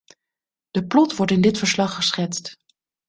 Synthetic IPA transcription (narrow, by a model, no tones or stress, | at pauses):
d̥əplɔtʋɔɹtɪndɪtfəɹslɑχːəsχɛtst